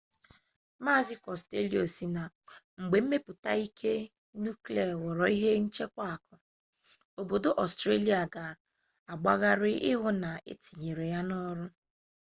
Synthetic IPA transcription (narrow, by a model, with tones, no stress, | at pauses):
ma˦˨zɪ˦kɔ˨ste˦li˦o˨si˨na˨ | ŋ͡m̩˨ɡ͡be˨m̩˦me˦pʊ˨ta˦i˦kʰe˦ | nu˦kle˨wɔ˨ɾɔ˨i˦ɦe˦n̩˦t͡ʃe˦kʷa˦a˨kʰɔ˨ | o˨bo˨do˦ʔɔ˨stɾe˦li˨a˨ɡa˨ | a˨ɡ͡ba˦ɣa˦ɾɪ˦ʔɪ˦ɦʊ˦na˨ḛ˦ti˨ɲe˨ɾe˨ja˦nɔ˦ɾʊ˦